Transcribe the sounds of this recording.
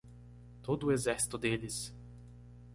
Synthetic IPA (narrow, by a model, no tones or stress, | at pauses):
t̪od̪ʊʊezɛɾsi̥t̪ʊd̪elɪs